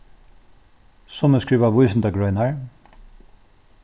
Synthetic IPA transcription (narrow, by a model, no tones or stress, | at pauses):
sɔnəskɹiːʋaʋʊjs̬ɪnt̪aɡɹœʏnaɹ